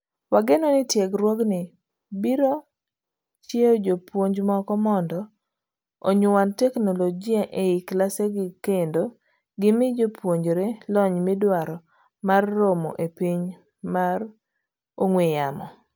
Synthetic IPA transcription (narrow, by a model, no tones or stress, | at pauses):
waɡenɔnɪtjeɡɾwɔɡnɪ | biɾo | t͡ʃeod͡ʒopwoɲd͡ʒmɔkɔmɔndɔ | oɲʊwantɛknolod͡ʒiaʔeiklaseɡɪkendo | ɡɪmɪd͡ʒopwoɲd͡ʒoɾelɔɲmɪdwaɾɔ | marːomo̰ʔepiɲ | mar | oŋwejamɔ